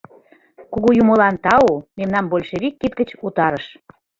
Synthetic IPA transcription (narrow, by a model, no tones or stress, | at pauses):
kuɣujumolɑnt̪ɑumemnɑmbolʲʃeβikːit̪̚ɡət͡ɕut̪ɑɾəʃ